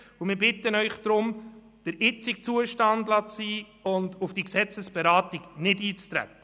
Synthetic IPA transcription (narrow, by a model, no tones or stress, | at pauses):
ʊmɪːɾbɪt̪ːənœʏχd̥ɾʊm | d̥əɾɪt͡sɪk̚t͡suəʃtɑndlɑt͡siː | ʊndʊfd̥iksɛt͡səsb̥ɛɾɑːtiɡnɪdiːt͡st̪ɾæ̰t̪ːə